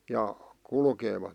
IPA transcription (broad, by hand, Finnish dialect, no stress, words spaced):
jɑ kulkeːʋɑt